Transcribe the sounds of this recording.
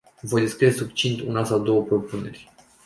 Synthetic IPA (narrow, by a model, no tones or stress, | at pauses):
vo̞jd̪eskɾid̪esuk̚t͡ʃint̪unasawd̪o̞wəpɾo̞pune̞rʲ